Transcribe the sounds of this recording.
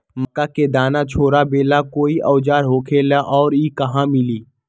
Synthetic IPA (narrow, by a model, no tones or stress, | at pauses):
məkaked̪aːnat͡ʃʰoːɾabeːlakoːiʔɔːd͡ʒaːɾɦoːkʰeːlaʔɔːɾiːkəɦãmɪliː